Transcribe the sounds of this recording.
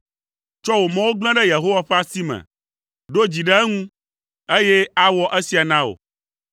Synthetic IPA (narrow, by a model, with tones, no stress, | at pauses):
t͡ʃɔ˦wo˨mɛ̃˦wo˦ɡ͡bl̃ɛ̃˦ɖɛ˦je˨ɦo˦wa˨ɸɛ˦a˦˨si˦mɛ̰̃˨ | ɖo˦d͡ʑi˨ɖɛ˦ɛ˦ŋũ˦ | e˦je˦a˦wɔ˦ʔe˦si˨a˨nã˦o̰˨